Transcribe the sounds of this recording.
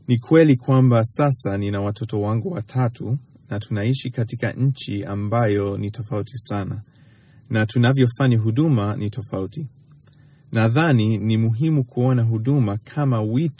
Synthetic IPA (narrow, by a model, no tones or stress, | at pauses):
nikʰwɛlikwambasasaninawatɔtɔwaŋɡuwatʰatʰu | natʰunaiʃikatika̰ɲ̩t͡ʃiambajɔnitɔfautisana | natunavjɔfaɲiɦuɗumanitɔfauti | naðaninimuɦimukuɔnaɦuɗumakʰamawit